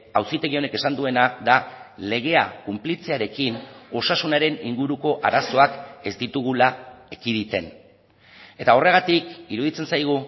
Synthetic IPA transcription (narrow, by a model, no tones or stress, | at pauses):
awsit̪e̞ɣio̞ne̞ke̞sand̪ue̞nadale̞ɣ̞e̞akumplit͡se̞aɾe̞kino̞sasunaɾe̞niŋɡuɾuko̞ʔaɾaso̞ake̞zd̪it̪uɣ̞ulaekiðit̪e̞n | e̞t̪ao̞re̞ɣat̪ikiɾuðit͡se̞nsajɣ̞u